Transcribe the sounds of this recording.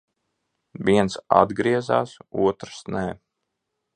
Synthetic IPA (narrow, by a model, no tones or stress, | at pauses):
viɛnsa̰d̪ɡɾiɛza̰ːsuɔt̪ɾsnɛː